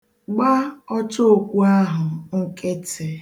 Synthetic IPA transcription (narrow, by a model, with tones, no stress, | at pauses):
ɡ͡ba˦ɔ˦t͡ʃo˦o˨kʷu˦a˦ɦʊ˨ŋ̩˦ke˦te˨